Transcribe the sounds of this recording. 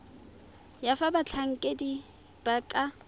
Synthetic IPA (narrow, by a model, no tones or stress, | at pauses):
jafabat͡ɬʰaŋ̩kʼedi | b̥akʼa